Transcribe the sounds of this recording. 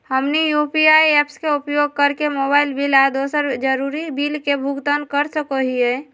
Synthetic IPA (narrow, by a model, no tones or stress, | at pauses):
həmnijuːpiaːieːpskeʊpjoːɡ̚kəɾkemoːbaːɪlbilad̪oːsəɾd͡ʒəɾuɾibiːlkebʱʊɡt̪ənkəɾsəkoɦiɛ